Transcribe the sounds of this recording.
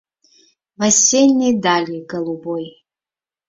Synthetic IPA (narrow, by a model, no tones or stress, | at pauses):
vɐsʲenʲːedalʲeɡɐlˠuboj